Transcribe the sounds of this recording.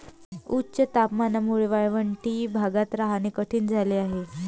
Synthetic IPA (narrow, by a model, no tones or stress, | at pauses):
utːɕət̪apmanəmuɭiʋajʋəɳʈiːbʱaɡat̪ɾaɦanikəʈʰiːnd͡zʱaleaɦe